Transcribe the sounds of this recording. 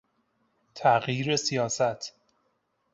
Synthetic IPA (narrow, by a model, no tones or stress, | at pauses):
t̪ʰæɣjiːɾesijɒːsæt̪ʰ